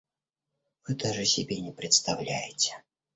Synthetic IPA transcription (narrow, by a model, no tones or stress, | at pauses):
vɨd̪aʐɨsʲɪbʲenʲɛpɾʲɛt̪st̪awlʲæjɪt͡sʲɛ̥